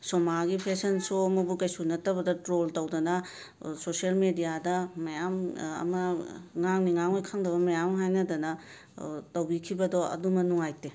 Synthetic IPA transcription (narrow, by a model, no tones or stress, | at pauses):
somaɡipʰesɐnsuɐmɐbukɐjsunɐtɐbɐdɐtɾoltɐwdɐnɐ | sosielmedijadɐmɐjamɐ̰mɐŋaŋniŋaŋojkʰaŋdɐbɐmɐjamɦajnɐdɐnɐ | tɐwbikʰibɐdoɐ̰dumɐnuŋajte